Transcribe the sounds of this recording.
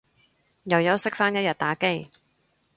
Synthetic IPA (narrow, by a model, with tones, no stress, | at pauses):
jɐ˨˩wjɐ˨˥wsɪ˥k̚faː˥njɐ˥t̚jɐ˨t̚t̪aː˨˥ke˥j